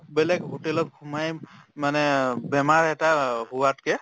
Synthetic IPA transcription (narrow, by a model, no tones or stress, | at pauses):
bɛlɛkɔʈɛlɔt̚kʰumajmanɛbɛmaɹɛtaɦuwatkɛ